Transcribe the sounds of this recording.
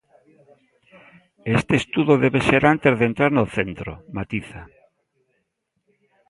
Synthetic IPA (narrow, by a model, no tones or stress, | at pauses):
est̪eːst̪uðoðeβeseɾant̪ezðent̪ɾaɾnoθent̪ɾo̰mat̪iθa